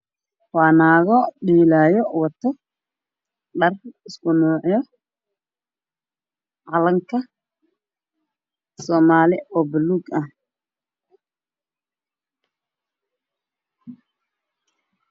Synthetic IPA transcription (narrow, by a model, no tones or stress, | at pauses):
wɑːnaːɣɔɖiːlaːjɔwɐt̪ʰɐ | ɖɐrɪskʰʊnuːʕjɔ | ʕɑlɐŋkʰɐ | sɔːmaːlɪɔːbɪluɡɐh